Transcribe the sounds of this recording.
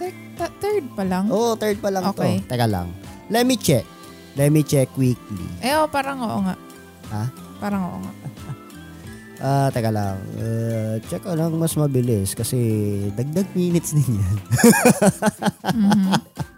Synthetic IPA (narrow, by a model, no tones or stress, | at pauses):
t̪ɛ | t̪ɐt̪ɛɹd̪̚pɐlɐŋʔoʔot̪ɛɹd̪̚pɐlɐŋʔoːt̪ojt̪ɐɡala̰ŋ | lɛt̪mit͡ʃɛk̚ | lɛt̪̚mit͡ʃɛkwik̚lḭʔɛʔopaːɾɐŋoʔoŋaʔ | ha | paːɾɐŋoʔo̰ŋa̰ʔ | ʔaːt̪ɐɡala̰ŋʔɛt͡ʃɐkalɐŋmɐsmɐbɪlɪskɐsɛd̪ɐɡ̚d̪aɡ̚miːnɪt̪snɪnjan | mː